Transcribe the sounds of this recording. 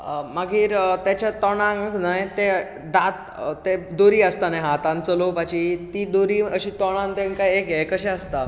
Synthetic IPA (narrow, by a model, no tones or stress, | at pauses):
əmaɡʱiːɾt̪jat͡ɕat̪ɔɽ̃ãŋknajt̪e | d̪at̪ | t̪ed̪oɾiːəst̪anajɦat̪ãnt͡səlopat͡ɕit̪iːd̪oɾiːəɕiːt̪ɔɽ̃ãnt̪ẽŋkajekjekəɕɛ̃əst̪a